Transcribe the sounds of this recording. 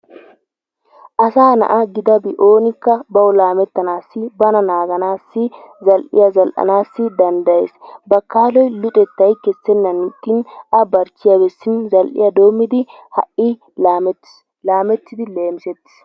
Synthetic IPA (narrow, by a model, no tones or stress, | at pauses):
ʔɐsaːnɐ̰ʔɐɡɪd̪ɐbɪʔo̞ːnɪkːɐbɐwɔlaːmɛt̪ːɐnaːsːɪbɐnɐnaːɡɐnaːsːɪzɐlʔɪ̰jɐzɐlʔɐ̰naːsːɪd̪ɐnd̪ɐjḛːsbɐkaːlɔjlʊt̪ʼɛt̪ːɐjkɛsːɛnːɐnt̪ːɪnɐbɐɾt͡ʃːɪjɐbɛsːɪnzɐlʔɪ̰jɐd̪o̞ːmːɪd̪ɪ | hɐʔɪ̥ | laːmɛt̪ːɪd̪ɪle̞ːmɪsɛt̪ːɪ̥s